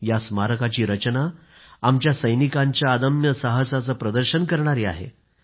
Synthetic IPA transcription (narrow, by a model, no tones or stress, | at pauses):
jasmaɾəkat͡ɕiːɾət͡ɕna | amt͡ɕjasəjnikãɲt͡ɕjaəd̪əmjəsəɦəsat͡səːpɾəd̪əɾɕənkəɾɳaɾiːa̰ɦḛ